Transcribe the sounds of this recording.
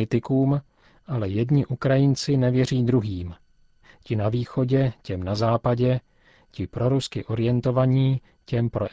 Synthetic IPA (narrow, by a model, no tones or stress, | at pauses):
ɪt̪ɪkuːm | ʔalɛjɛdɲɪʔukɾajɪnt͡sɪnɛvjɛriːd̪ɾuɦiːm | cɪnaviːxo̞ɟɛcɛmnazaːpaɟɛ | cɪpɾo̞ɾuskɪʔo̞ɾɪjɛnt̪o̞vaɲiː | cɛmpɾo